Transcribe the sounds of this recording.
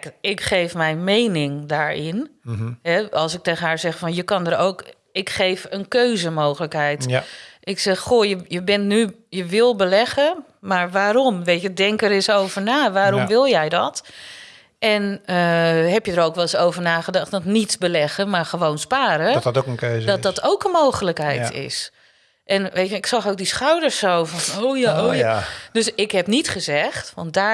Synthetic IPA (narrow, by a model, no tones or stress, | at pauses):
kɪkχejfmɛjnmejnɪŋdaːɹɪnɦɛɑlˠsɪk̚teːɣənɦaːɹzɛxfɔnjəkɑndəɾo̰wk | ɪkxejvənkøːzəmoːxələkɦɛjtʔɪksɛxxojəjəbɛntnyjəʋɪlˠbəlɛɣə | maɹʋaːɾɔmʋeːtədɛŋkəɾɪsowvəɹnaːʋaːɾɔmʋɪlˠjɛjdɔt | ʔɛnəɦɛpjədəɾoːwkʋɛlˠɪsowvəɹnaːɣədɑxtdɔtnitbəlɛɣəmaɹxəʋownspaːɾətokənkøzdɔtdɔtowkənmoːxələkɦɛjtʰɪ̰s | ʔɛnʋeːtɪksɑxoːk̚disxawdəɹsowfɔnojaʔojad̥øsɪkɦɛpnitχəzɛxtʋɔnt̚daː